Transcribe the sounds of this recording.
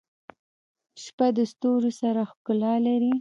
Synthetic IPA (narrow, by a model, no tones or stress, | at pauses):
ʃpad̪əst̪oɾosaɾaxkʊlɑlaɾi